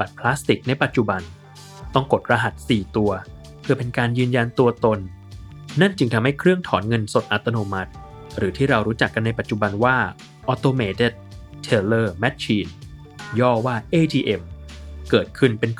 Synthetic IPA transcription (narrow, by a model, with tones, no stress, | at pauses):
ba˨˩t̪̚pʰlaː˦˥st̪i˨˩k̚na˧jpa˨˩t̪̚t͡ɕu˨˩ba˧n | t̪ɔ˥˩ŋko˨˩t̪̚ɾa˧ɦa˨˩t̪̚siː˨˩t̪u˧ɐ | kʰɯ˧ɐpe˧nkaː˧njɯː˧nja˧nt̪u˧ɐt̪o˧nː | a˥˩nt͡ɕɯ˧ŋt̪ʰa˧mha˥˩jkʰɾɯ˥˩əŋt̪ʰɔː˩˦nŋɤ˧nso˨˩t̪̚ʔa˨˩t̪ːa˧noː˧ma˦˥t̪̚ | ɾɯː˩˦t̪ʰiː˥˩ɾa˧wɾuː˦˥t͡ɕa˨˩kːa˧nːa˧jpa˨˩t̪̚t͡ɕu˨˩ba˧nwaː˥˩ | ʔɔ˦˥t̪oː˧meː˧t̪e˥˩t̪̚ | t̪ʰːe˧lɤː˥˩mɛ˦˥t̪̚t͡ɕʰiː˧n | jɔː˥˩waː˥˩ʔeː˧˩t̪ʰiː˧ʔe˧mkɤː˨˩t̪̚kʰɯ˥˩npe˧n